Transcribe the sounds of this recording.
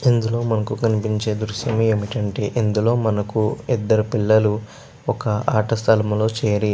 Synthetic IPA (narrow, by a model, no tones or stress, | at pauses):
ind̪ulo̞ːmɐnɐkukɐnipiɲt͡ʃe̞ːd̪ɾuʃjɐmueːmiʈɐɳʈeːʔind̪ulo̞ːmɐnɐkuid̪ːɐɾupilːɐlu | ɔkɐaːʈɐst̪ʰɐlɐmɐlo̞ːt͡ʃeːɐɾi